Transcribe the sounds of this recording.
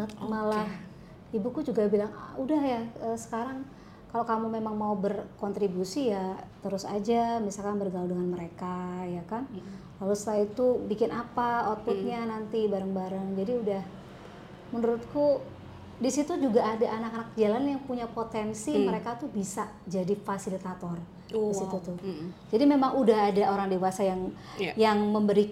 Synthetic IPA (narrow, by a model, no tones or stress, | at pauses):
t̪̚malah | ibukud͡ʒuɡabilaŋ̰udahjaəsə̥kaɾaŋ | kalokamumemaŋmaubərkɔnt̪ɾibusijat̪əɾʊsa̰d͡ʒamisalkanbərɡalwdəŋanməɾekajakan | lalust̪aait̪ubikɪnapaɔt̪ʊt̪̚ɲanant̪ibaɾaŋbaɾaŋd͡ʒadiudah | mənuɾʊt̪̚ku | disit̪ud͡ʒuɡaʔːdaʔːnakanak̚d͡ʒalanjaŋpuɲapot̪ɛnsiməɾekat̪ubisa | d͡ʒadifasilit̪at̪ɔr | disit̪ut̪ud͡ʒadimemaŋudaɦːdaʔoɾaŋdewasajaŋ | jaŋməmbəɾi